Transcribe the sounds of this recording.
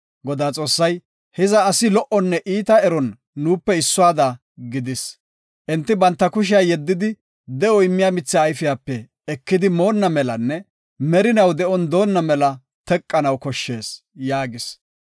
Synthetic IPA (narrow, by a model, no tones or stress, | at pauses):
ɡɔd̪aːt͡sʼo̞ːsːɐj | hɛzɐːsɪlɔʔɔnːɛʔiːt̪ɐɛɾɔnː | uːpːɛɪsːʊaːd̪a | ɡɪd̪ɪs | ʔɛnt̪ːɪbɐnt̪ːɐkʊʃ̬ɪjaːjɛd̪ːɪd̪ɪ | d̪ɛʔɔɪmːɪjaːmɪt͡sːɪːjfɪjaːpːɛː | kːɪd̪ɪmo̞ːnːɐmɛlɐnːɛ | mɛɾɪnɐwd̪ɛʔɔnd̪o̞ːnːɐmɛlɐ | t̪ɛkʼːɐnɐwkɔʃːe̞ːs | jaːɡɪs